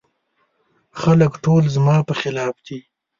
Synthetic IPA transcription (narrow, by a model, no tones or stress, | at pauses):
xaləkʈʰolzmɑːpəxɪlɑːfd̪i